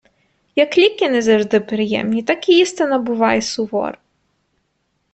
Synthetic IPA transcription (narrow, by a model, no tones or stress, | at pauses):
jɐklʲikʲɪnɛzɐʐd̪ɪpɾɪjɛ̰mnʲit̪akʲijist̪ɪnɐbʊʋɑjɛsʊʋɔ̰r